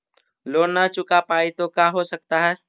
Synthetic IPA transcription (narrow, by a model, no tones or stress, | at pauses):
loːɽnat͡ʃʊkapaːit̪okaːɦosək̚t̪aɦɛː